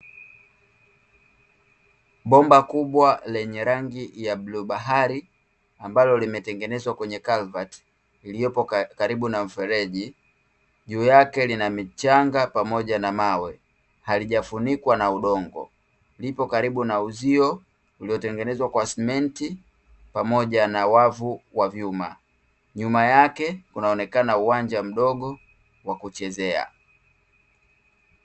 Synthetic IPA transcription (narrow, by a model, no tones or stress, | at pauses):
ɓɔmbakuɓwalɛɲɛɾaŋɡijabluɓaɦaɾi | ambalɔlimɛtɛŋɡɛnɛzwakwɛɲɛkalvat | ilijɔpɔkaɾiɓunam̩fɛɾɛʄi | ʄuːjakɛlinamit͡ʃaŋɡapamɔʄanamawɛ | haliʄafunikwanauɗɔŋɡɔ̰ | lipɔkaɾiɓunauziɔ | uliɔtɛŋɡɛnɛzwakwasmɛnti | pamɔʄanawavuwavjuma̰ | ɲumajakɛkunaɔnɛkanauwaɲd͡ʒam̩ɗɔɠɔ | wakut͡ʃɛzɛa̰